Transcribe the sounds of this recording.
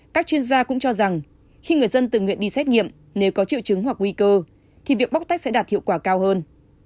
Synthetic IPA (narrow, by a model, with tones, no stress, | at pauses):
kaː˦˥k̚t͡ɕwi˧ənzaː˧kʊ̰˧˥ŋ͡mt͡ɕɔ˧za˨˩ŋ | xi˧ŋɨ˨˩əjzə˧nt̪ɨ˨˩ŋwḭ˧˨ənɗi˧sɛ˦˥t̚ŋḭ˧˨əm | ne˨˦wkɔ˨˦t͡ɕḭ˧˨əwt͡ɕɨ˨˦ŋhwa˨˩k̚ŋwi˧kəː˧ | t̪ʰi˨˩vi˨˩ək̚ɓk͡p̚t̪a˦˥k̚sɛ˧˥ɗaː˨˩t̚hḭ˧˨wkwaː˧˩kaː˧whəː˧n